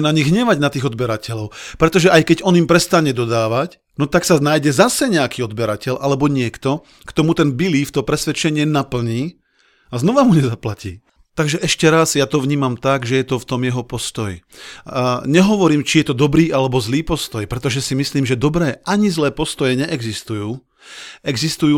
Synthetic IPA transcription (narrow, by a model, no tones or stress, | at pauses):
naɲiɣɦɲɛʋaɟnat̪iːɣɔd̪bɛɾacʰɛʎɔʊpɾɛt̪ɔʒɛʔajkɛɟɔnimpɾɛst̪aɲɛd̪ɔd̪aːʋac | nɔt̪aksanaːjɟɛzasɛɲɛakiːɔd̪bɛɾacɛʎʔalɛbɔɲɪɛkt̪ɔ | kt̪ɔmut̪ɛnbiliːft̪ɔpɾɛsʋɛt͡ʃɛɲɪɛnapl̩ɲiː | aznɔʋamuɲɛzaplacḭː | t̪aɡʒɛʔɛʃcɛɾazjat̪ɔʋɲiːmamt̪aɡʒɛjɛt̪ɔft̪ɔmjɛɦɔpɔst̪ɔj | ɲɛɦɔʋɔɾiːmt͡ʃijɛt̪ɔd̪ɔbɾiːʔalɛbɔzliːpɔst̪ɔjpɾɛt̪ɔʒɛsimisliːmʒɛd̪ɔbɾɛːʔaɲizlɛːpɔst̪ɔjɛɲɛʔɛɡzist̪ujuː | ɛɡzist̪ujuː